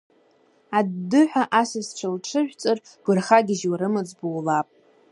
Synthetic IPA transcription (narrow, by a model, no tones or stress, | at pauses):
adːɨħʷᶣaʔasɨsʈ͡ʂʷʰalʈ͡ʂʰɨʒʷᶣt͡sʼɨrɡ̥ʷʊrχaɡʲɪʒwaɾɨmɨd͡zbowlapʼ